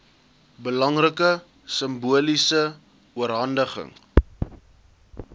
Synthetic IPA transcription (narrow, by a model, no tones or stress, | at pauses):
bəlɐŋrəkə | səmbuəlisə | uəɾɦɐndəχə̰ŋ